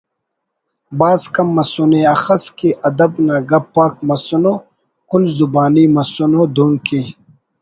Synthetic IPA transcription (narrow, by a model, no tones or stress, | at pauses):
baːzkɐmːɐsuneɐxɐskeʔɐd̪ɐbnaːɡɐbpːaːk̚mɐsunoː | kulzubaːniːmɐsunod̪oːnkiː